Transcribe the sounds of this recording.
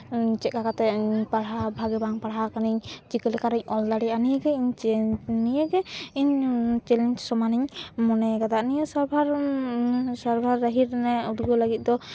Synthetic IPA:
t͡ʃɛt̪̚kakat̪ɛpaɽɦabʱaɡɛbaŋpaɽɦakaniɲd͡ʒikɛlɛkaɾɛɲʔɔld̪aɽianijəɡɛiɲt͡ʃɛnijəɡɛiɲt͡ʃɛlɛɲt͡ʃsɔmaniɲmɔnɛɡad̪aʔnijəsaɾbʱaɾ | saɾbʱaɾːəɦiɾnɛud̪ɡɔləɡit̪̚ˀd̪ɔ

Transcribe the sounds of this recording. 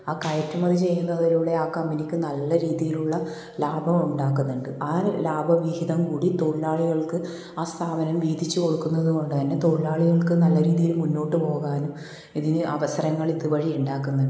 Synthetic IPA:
aːkajɐtːɐmɐðit͡ɕe̞jːunːɐðiluɭːeaːkːɐmenikʲːɨnɐlːɐɾiːðijiluɭːɐ | laːbʱɐmuɳɖaːkːunːuɳɖɨʔaːlaːbʱɐʋihiðɐmkuːɽit̪o̞ɻlaːɭiɣɐɭkɨ | aːst̪ʰaːbɐnɐmʋiːd̪ʱit͡ɕːɨko̞ɽukːunːɐðuɣo̞ɳɖɨt̪ɐnːe̞t̪o̞ilaːɭiɣɐɭkɨnɐlːɐɾiːðijilmunːo̞ːʈːɨpo̞ːɣaːnum | iðinɨʔɐʋɐsɐɾɐŋːɐɭiðɨʋɐɻiuɳɖaːkːunːɐ

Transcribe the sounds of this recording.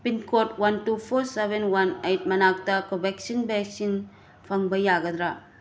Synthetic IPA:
pinkotwantupʰoɾsebenwanejt̚mɐnak̚tɐkɔbek̚sinbɛksin | pʰaŋbɐjaɡɐd̪ɾa

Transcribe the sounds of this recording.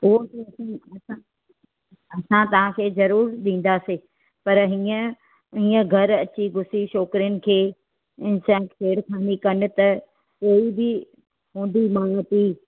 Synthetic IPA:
ʊɦot̪iɐsãɐsã | ɐsãt̪ɐʋ̤ãkʰeːzɐɾuːɾɗĩːn̆d̪aseː | pɐɾɦiːə̃ | ɦĩːə̃ɡʱɐɾɐt͡ɕiɡʱʊsiʃɔːkɾɪjənɪ̆kʰeː | ɪ̃sãkʰeːɽkʰaːnikɐnɪ̆t̪ɐ | koːibɪ | ɦũːnd̪imat̪i

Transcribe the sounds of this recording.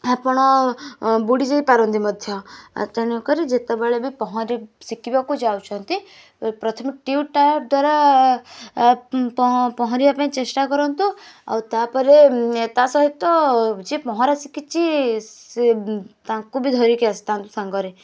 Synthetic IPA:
apɔɽ̃ɔ | buɽid͡ʒeipaɾɔnd̪imɔd̪ʱjɔa̰t̪añukɔɾid͡ʒet̪ɔbaɭebipɔɦɔ̃ɾisikibakud͡ʒawt͡ʃʰɔnt̪i | pɾɔt̪ʰɔmiʈiuʈajp̚d̪waɾa | pɔpɔɦɔ̃ɾiapãĩt͡ʃesʈakɔɾɔnt̪ua̰wt̪apɔɾeet̪asɔɦit̪ɔd͡ʒepɔɦɔ̃ɾasikit͡ʃʰi | t̪ãkubʱid̪ʱɔɾikeast̪ãnt̪usãŋɡɔɾe

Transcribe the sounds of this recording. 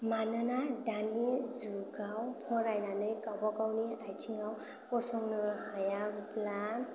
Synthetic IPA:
manɯnaɖanizuɡawpʰɔɾajnanɯjkabɔkawniajtʰiŋɡawkɔsɔŋnɯhajapla

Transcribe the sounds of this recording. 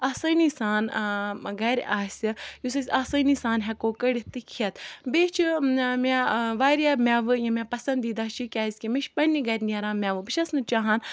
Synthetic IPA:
asɐnisaːnɡɐɾʲaːsʲɨjusɐsʲaːsɐnisaːnɦʲekoːkɐɽit̪ɨkʰijɐt̪beːt͡ʃʰimʲaʋaːɾʲjamʲaʋɨjɐ̃mʲapɐsɐ̃nd̪iːd̪aːt͡ʃʰikʲaːzʲkʲimiʃpɐnʲːiɡɐɾʲnʲeɾãːmʲaʋɨbɨʃɐsnɨt͡ʃaːɦaːn

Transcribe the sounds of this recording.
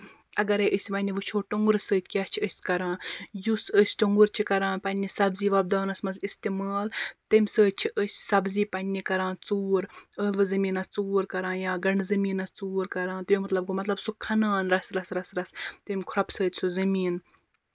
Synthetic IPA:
ɐɡɐɾeʔəsʲʋɐnʲiʋɨt͡ʃʰoːʈuŋɡuɾsəːt̪ʲʰkʲɐt͡ʃʰiəsʲkɐɾãːjusəsʲʈuŋɡuɾt͡ʃʰikɐɾãːpɐnʲːisɐbziːʋɐb̚d̪aːnɐsmɐsist̪imaːlt̪imʲsəːt̪̚ʲt͡ʃʰiʔəsʲsɐbziːpɐnʲnikɐɾãːt͡suːɾəːlʋɨzɐmiːnɐt͡suːɾkɐɾãːjaːɡɐɳɖzɐmiːnɐt͡suːɾkɐɾãːnt̪ɐjimɐt̪lɐb̚ɡomɐt̪lɐbsukʰɐnaːnɾɐsɾɐsɾɐsɾɐst̪imʲkʰɾɐpsəːt̪ʰʲsuzɐmiːn

